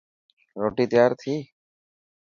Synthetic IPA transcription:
ɾoʈit̪eaɾt̪ʰi

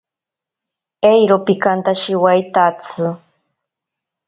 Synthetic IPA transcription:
ejɾopikant̪aʃiwajt̪at͡sʰɨ

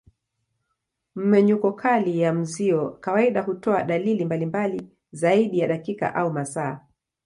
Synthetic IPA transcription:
m̩mɛɲukɔkʰalijam̩ziɔkawaiɗahutɔaɗalilimbalimbali | zaiɗijaɗakika̰ʔaumasaː

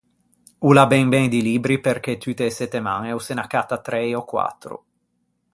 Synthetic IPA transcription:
ulabɛŋbɛnd̪iliːbɾiperk̟et̪ːyt̪eːsɛt̪ːemaŋɛusenakat̪at̪ɾɛjɔkwa̰t̪ːɾṵ

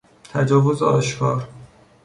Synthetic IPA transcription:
t̪ʰæd͡ʒɒːvozeɒːʃkʰɒːɾ

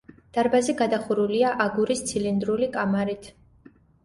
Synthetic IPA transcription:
d̪̥aɾbaziɡad̪aχuɾuliaʔaɡuɾist̪sʰilind̪ɾulikʼamaɾit̪ʰ

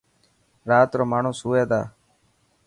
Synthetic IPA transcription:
ɾaːt̪ɾoːmaːɳ̤õːsuːeːd̪a̰ː

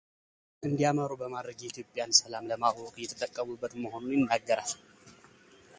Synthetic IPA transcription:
ʔɨnd̪ijaməɾubəmad̪ɾəɡɛit̪jo̞pʼːjansəlamləmaokʼjɛt̪ʰət̪ʼːəkʼːəmubːət̪məho̞nunjɪnːaɡːəɾal

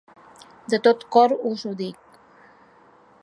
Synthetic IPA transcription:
d̪ət̪ot̪kɔɾuzuðik̚

